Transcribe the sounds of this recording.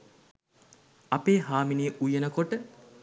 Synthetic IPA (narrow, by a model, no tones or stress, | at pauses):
ɐpeːɦaːminiːʔujenəkoʈə